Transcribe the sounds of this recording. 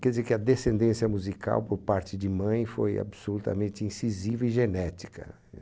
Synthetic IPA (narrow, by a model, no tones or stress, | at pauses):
kɛɾdd͡ʒizeɾkɪɐd̪esẽnd̪ẽsjɐmuzika̰wpoɾpaɾt͡ʃɪd͡ʒɪmɐ̃j̃fo̰ja̰bsolut̪ɐ̰mẽnt͡ʃ̪ɪĩsizivɐiʒenɛt͡ʃi̥kɐ̰